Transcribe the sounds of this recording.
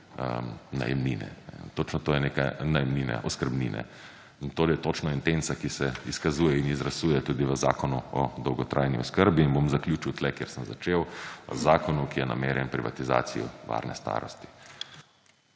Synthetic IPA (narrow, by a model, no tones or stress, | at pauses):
əna̰jɛ̰mninɛ̰nɛt̪ot͡ʃnɔt̪oːjɛneka̰najɛmniːnɛ̰ʔɔskəɾbnḭnɛ̰ | t̪oːɾjɛt̪ot͡ʃnɔint̪ensakisɛiskazuːjɛinizɾasuːjɛt̪uːd̪iʋəza̰ːkɔnuɔd̪ɔwɡɔt̪ɾʔaːjniɔskəɾbiːnbomzaklʲjuːt͡ʃiwt̪lɛkjeɾsəmzat͡ʃewʋə̰zaːkɔnukijɛna̰meːɾjɛnpɾiʋa̰t̪iza̰ːt̪sijɔ̰ʋa̰ɾnɛ̰st̪a̰ːɾɔst̪i̥